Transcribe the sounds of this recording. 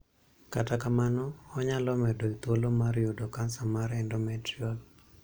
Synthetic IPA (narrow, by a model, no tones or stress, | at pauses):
katakamanɔːɲalɔmɛdoit̪wolomaɾjodokansamaɾɛndɔmɛtɾiɔl